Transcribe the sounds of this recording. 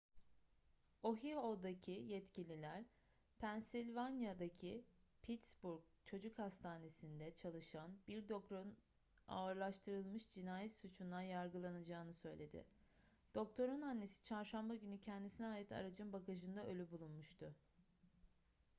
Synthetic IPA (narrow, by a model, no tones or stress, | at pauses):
o̞ɦiho̞d̪acʰijɛt̪cʰilʲilʲæɾ | pʰænsilʲvanjad̪acʰipʰit̪sbuɾk̚t͡ʃʰo̞d͡ʒukhast̪ʰaːne̞sind̪ɛt͡ʃʰalˠɯʃanbiɾd̪o̞kɾon | a̰ɯɾlˠaʃt̪ʰɯɾɯlˠmɯʃd͡ʒinaːjit̪sut͡ʃʰund̪ˠanjaɾɡɯlˠanad͡ʒaːɯnɯsø̞jlʲe̞d̪ɪ̰ | d̪̥o̞k̚t̪ʰo̞ɾunanːe̞si̥t͡ʃʰaɾʃambaɟynycʰɛnd̪isinɛɦaːjɯt̪ʰa̰ɾad͡ʒɯnbakʰaʒɯnd̪aʔø̞lʲybulˠunmuʃt̪ʰʊ